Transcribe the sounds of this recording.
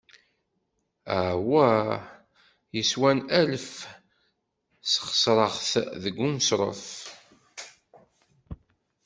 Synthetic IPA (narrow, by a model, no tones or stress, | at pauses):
æwæ | jəswænæləf | sχə̥sɾˤəʁθðəɡːumsɾˤə̰f